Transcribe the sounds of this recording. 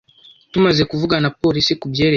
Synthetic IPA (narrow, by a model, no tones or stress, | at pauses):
tumaze̞kuvuɡanapo̞ɾisikubje̞ːɾe